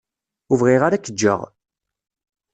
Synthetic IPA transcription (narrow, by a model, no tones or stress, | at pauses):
uvʁiʁaɾakːəd͡ʒːə̰ʁ